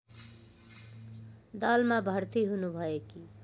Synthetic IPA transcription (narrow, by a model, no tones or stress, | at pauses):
d̪əlmãbʱəɾt̪iɦunubʱʌeki